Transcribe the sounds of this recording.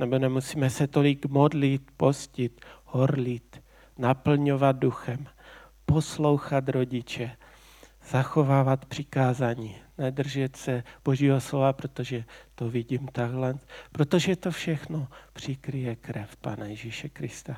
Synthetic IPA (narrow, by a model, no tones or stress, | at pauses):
nɛbo̞nɛmusiːmɛsɛt̪o̞lɪɡmodlɪt̪̚po̞scɪt̪hoɾlit̪ | napl̩ɲo̞vad̪̚duxɛm | po̞slo̞wxat̪ɾoɟɪt͡ʃɛ | z̥axovaːvat̪pr̝̥ɪkaːzaːɲiːnɛd̪r̩ʒɛt̪sɛb̥oʒiːɦoslovapɾot̪oʒɛt̪ovɪɟiːmt̪aɡlɛnpɾot̪oʒɛt̪ofʃɛxnopr̝̥ɪkɾɪjɛkɾɛfpaːnajɛʒiʃɛkɾɪst̪a